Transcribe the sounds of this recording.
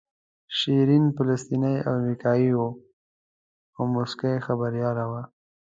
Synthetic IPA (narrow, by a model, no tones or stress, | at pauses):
ʃiɾinpalast̪inaja̰mɾikɑiwo | awmʊskajxabaɾjɑlawa